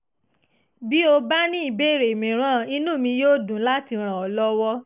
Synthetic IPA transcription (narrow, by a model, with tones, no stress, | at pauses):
bi˦o˧ba˦nĩ˦i˦˨be˦˨ɾe˨mĩ˨ɾ̃ã˦˨i˧nũ˦˨mĩ˧joː˦˨dũ˨˦la˦ti˧ɾ̃ã˨ɔ˨lɔ˦wɔ˦